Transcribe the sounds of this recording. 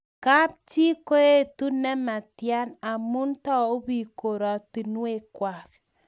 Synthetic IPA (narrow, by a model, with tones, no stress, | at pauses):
ka˦p̚t͡ʃi˦ko˦e˦˨tu˦nɛ˦ma˨tja˦na˨mu˦ntɔ˦˨o˦bi˨ko˨ɾa˨ti˨nu˦e˦˨kwa˨k